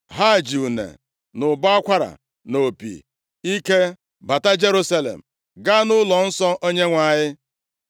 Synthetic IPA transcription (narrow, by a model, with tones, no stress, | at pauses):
ɦa˦˨d͡ʒi˨u˨nḛ˨ | nʊ˨ba˦a˦kʷa˦ɾa̰˨ | no˨pḭ˨ | i˦ke˦ | ba˨ta˦d͡ʒe˦ɾu˦sa˦lḛ˨m̩˨ | ɡa˦nʊ˦lɔ˨n̩˦sɔ˦ʔo˦ɲe˦ŋʷa˨ɲɪ˦